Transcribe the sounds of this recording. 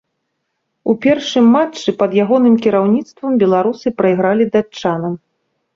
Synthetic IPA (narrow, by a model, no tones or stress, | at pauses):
upʲɛrʂɨmːat͡ʂːɨpɐd̪jaɣɔnɨmkʲiɾawnʲit̪st̪vɐmbʲɛlˠaɾusɨpɾɐiɣɾalʲid̪at͡ʂt͡ʂːanɐm